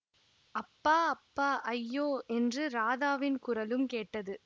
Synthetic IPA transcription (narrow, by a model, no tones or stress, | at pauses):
ɐpːaːɐpːaːʔɐjːoːʔɛndrɯɾaːðaːʋɪnkʊɾɐlɯmkeːʈːɐðɯ